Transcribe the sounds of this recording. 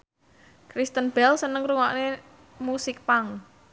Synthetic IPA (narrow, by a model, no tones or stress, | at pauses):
kɾist̪ənb̥ɛlsənəŋruŋa̰ʔne | musɪk̚paŋ